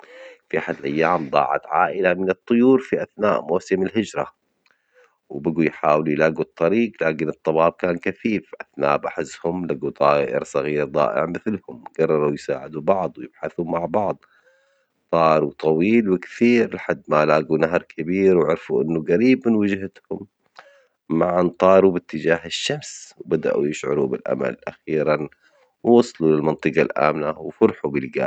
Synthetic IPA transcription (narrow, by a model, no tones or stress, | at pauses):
fiʔaħad̪lʔajːaːmd̪ˤɑ̰ːʕa̰t̪ʕa̰ːʔɪlamɪnɨt̪ˤːʊjuːɾfiʔaθna̰ːʔmoːsɪmɪlɦɪd͡ʒɾˤɑ̰ | wbaɡujħaːwɪljɪlaːɡut̪ˤːɑɾiːɡlaːkɪnɨt̪ˤːɑbɑːb̚kaːnkaθiːfʔaθna̰ːʔbaħɪzːhʊmlaɡut̪ˤɑːʔɪ̰ɾsˤɑɣiːɾd̪ˤɑ̰ːʔɪ̰ʕmɪθlhʊmɡ̥ɑrˤːɑɾˤawjsa̰ːʕɪd̪ubɑʕd̪ˤwjɪb̥ħaθumaʕbɑʕd̪ˤ | t̪ˤɑːɾˤut̪ˤɑwiːlwɪkθiːɾlħad̪ːmalaːɡunaɦɾˤkʰɪbiːɾwʕʊɑɾfuʔɪnːuɣaɾiːbmɪnwɪd͡ʒhɪt̪hʊmː | aʕant̪ˤɑːɾˤubɪt̪ːɪd͡ʒaːhɪʃːamswbad̪a̰ʔujɪʃʕʊ̰ɾubɪlʔa̰ma̰lʔa̰xiːɾan | wwɑsˤɑlulɪlmɑnt̪ˤɨqɑlʔa̰ːmnawfʊɾħubɪlɡa̰ː